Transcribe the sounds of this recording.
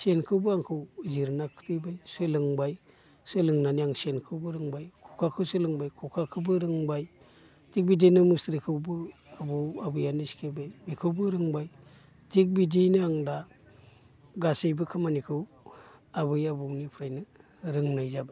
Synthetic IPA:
senkʰɯwbɯaŋkʰɯwziɾnakʰɯ̥tʰɯbajsɯlɯŋbaj | sɯlɯŋnanijaŋsenkʰɯwbɯɾɯŋbajkʰukʰakʰɯwsɯlɯŋbajkʰɔkʰakʰɯbɯɾɯŋbaj | tik̚bidenɯmɯsɾikʰɯwbɯ | abɯwabɯjaniskʰebajbikʰɯwbɯɾɯŋbaj | tʰik̚bidinɯaŋda | ɡasɯjbɯkʰamanikʰɯw | abɯjabɯnipʰɾajnɯ | ɾɯŋnajzaba

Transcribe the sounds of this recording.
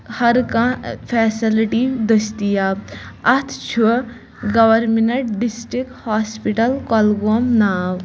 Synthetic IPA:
hɐɾkãpʰɛːsiliʈid̪ɐst̪ijaːɐt̪ʰt͡ʃʰu | ɡɐʋɐɾmenɐʈɖisʈɾikhaːspiʈɐlkɔlɡomnaːw

